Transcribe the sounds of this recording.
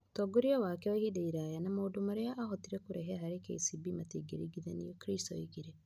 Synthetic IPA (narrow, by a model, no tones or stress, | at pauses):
tɔɡoɾiɔwakɛɔhideiɾajanamoːdomaɾeaʔahɔtiɾɛkuɾɛɦeaɦaɾekḛisibimateɡeɾiɡiðaniɔkiɾistɔiɣiɾe